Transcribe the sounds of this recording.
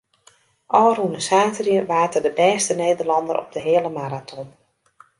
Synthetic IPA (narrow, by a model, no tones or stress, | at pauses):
ʔɔːrunəsaːtrjəʋaːtədəbɛːstənejdərlɑndəɾʔɔ̰b̚dəɦɪːələmaɾatʰɔn